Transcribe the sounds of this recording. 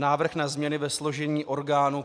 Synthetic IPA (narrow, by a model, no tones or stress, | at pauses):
naːvr̩xnazmɲɛnɪvɛslo̞ʒɛɲiːʔo̞ɾɡaːnu